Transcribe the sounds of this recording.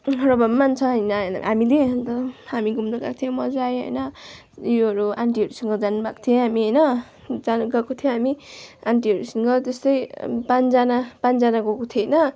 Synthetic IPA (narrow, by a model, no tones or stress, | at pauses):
ɦɾʌbʌmmant͡sʰʌ̃ʌjnan̰ɦamilent̪ʌhamiɡumnʌɡa̰k̚t̪ʰijemʌd͡zajɦʌ̰jnʌ | joɦʌɾuaɳʈiɦʌɾusʌŋɡʌd͡zanbak̚t̪ʰijeɦamiɦʌjnʌ | d͡zanɡakot̪ʰijõɦamiaɳʈiɦʌɾusʌŋɡʌt̪ʌst̪ʌjpand͡zanapand͡zanaɡokot̪ʰienʌ